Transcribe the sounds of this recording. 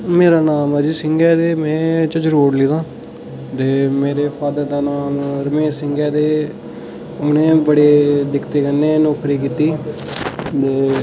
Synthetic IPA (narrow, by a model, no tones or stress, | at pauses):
meːɾaːnaːmɛd͡ʒiːsɪŋɡɛːd̪eːmɛ̃ːt͡ʃəd͡ʒəɾoːɽliːd̪ãː | t̪eːmeːɾeːpʰaːd̪əɾd̪aːnaːmɾəmeːʃsɪ̃ŋɡɛːd̪eː | ʊnẽːbəɽeːd̪ɪkʰt̪eːkənːeːnɔːkɾiːkiːt̪iː | t̪eː